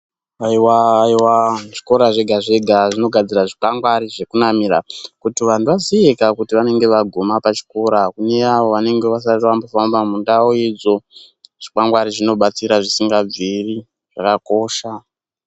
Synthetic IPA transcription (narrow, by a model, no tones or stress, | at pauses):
aiwaːiwaʐiko̞ɾaʐe̞ɡʱaʐe̞ɡʱaʐino̞ɡʱad͡ziraʐipaŋɡwaɾiʐe̞kunamira̰kutiʋan̤uʋaziekakutiʋane̞ŋɡe̞ʋaɡʱomapat͡ʃi̥ko̞ɾakune̞aʋo̞ʋane̞ŋɡe̞ʋas̬arirwambofambamundaoid͡zo̞ | ʐ̥ikaŋɡwaɾiʐino̞ɓat͡siɾaʐisiŋɡab͡viri | ʐ̥akako̞ʃa